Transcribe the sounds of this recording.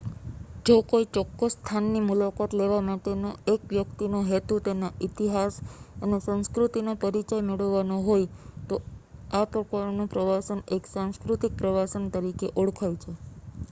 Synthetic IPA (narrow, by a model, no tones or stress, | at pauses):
d͡ʒokoit͡ʃɔkːəsːt̪ʰanːimulakat̪leʋamaʈenoekʋjəkt̪inoɦet̪ut̪enaʔit̪iɦasənesãnskɾut̪inopəɾit͡ʃajmeɭəʋːanoɦojt̪oapɾəkaɾnõpɾəʋasəneksãnskɾut̪ik̚pɾəʋasənt̪əɾikeʔoɽkʰajt͡ʃʰe